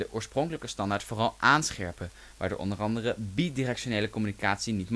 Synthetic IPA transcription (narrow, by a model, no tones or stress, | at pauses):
əʔoːɹsprɔŋkələkəstɑndaːɹtfʊːrɑlˠʔaːnsχɛɹpə | ʋaːɹdə̰ʔɔ̰ndərɑndərəbidirɛkʃoneːjləkɔmynikaːtsinitm